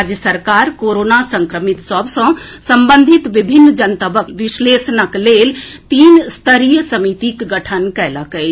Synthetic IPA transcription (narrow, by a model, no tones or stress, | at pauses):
ad͡ʒjəsəɾkaːɾkoːɾoːnasɐ̃ŋkɾəmɪt̪səbsɐ̃sɐ̃mbə̃nd̪ʱɪt̪ʋɪbʱɪnːd͡ʒɐnt̪əbəkʋɪʃleːsnəkleːlt̪iːnst̪ʰəɾijəsɐmit̪ikɡɐʈʰənkɛːləkəi